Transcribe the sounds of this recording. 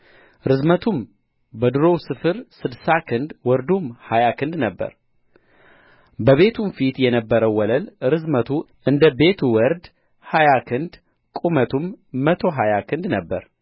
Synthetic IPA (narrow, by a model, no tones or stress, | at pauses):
ɾɨzmət̪ʰum | bəd̪ɨɾo̞wsɨfɨɾsɨd̪sakʰɨnd̪wɔɾd̪umhajakʰɨnd̪nəbːə̰ɾ | bəβe̞t̪ʰumfit̪jɛnəbːəɾəwwːɔləlɾɨzmət̪ʰu | ʔɨnd̪əbe̞t̪ʰuwɔɾd̪ | hajakʰɨnd̪ | kʼumət̪ʰumːət̪ʰo̞ɦajakʰɨnd̪nəbːəɾ